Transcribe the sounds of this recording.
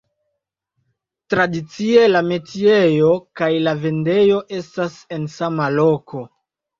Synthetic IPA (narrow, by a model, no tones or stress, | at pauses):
tɾadit͡sie̞lame̞tie̞jo̞kajlave̞nde̞jo̞ʔe̞stase̞nsamalo̞ko̞